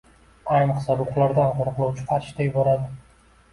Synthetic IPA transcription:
ajmχsabʊqlˠaɾd̪anqʊɾʊqlˠɒwt͡ʃʰɪ̥qʰɑɾʃd̪ajɪbɒɾad̪ɪ

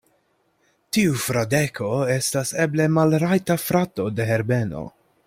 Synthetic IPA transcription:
tiufɾadekʰo̞e̞stase̞ble̞malɾajtafɾato̞de̞ɦe̞ɾbe̞no̰

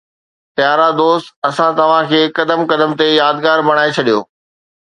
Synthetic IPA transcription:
t̪jaːɾad̪oːst̪ɐsãt̪ɐʋ̤ãkʰeːkɐd̪əmkɐd̪əmt̪ejaːd̪ɡaːɾbɐɽ̃aːet͡ɕʰɐɗijo̰ː

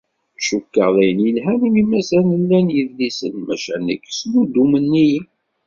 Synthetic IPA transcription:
ʃukːəʁðæjənjəlɦænimimæsænəlːænjəðlisənmæʃænə̰kːslud̪umənːij

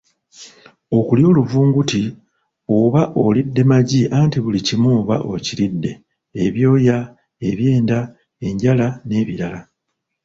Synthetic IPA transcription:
o̞kuljo̞ːluvuːŋɡuti | o̞βaʔo̞lidːe̞maɟiʔaːntiβulicimoːβa̰ʔo̞̰ciɾidːe̞̰ː | βjo̞ːja | e̞βje̞ːnda | e̞ɲɟalane̞ːβiɾala

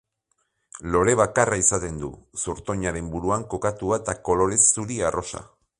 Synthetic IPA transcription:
lo̞ɾe̞β̞akaraisat̪e̞nd̪ṵsuɾt̪o̞ɲaɾe̞mbuɾuaŋko̞kat̪uaet̪ako̞lo̞ɾe̞suɾiaro̞sa̰

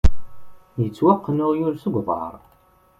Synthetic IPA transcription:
jət͡sːwaqːnʊʁjʊɾsəɡʷðˤɑ̰ɾˤ

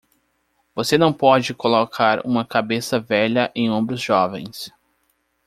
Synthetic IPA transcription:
vosenɐ̃w̃pɔd͡ʒɪkolokʰaɾṵ̃mɐkabesɐvɛʎɐʔẽj̃õmbɾʊzʒɔvḛ̃j̃s

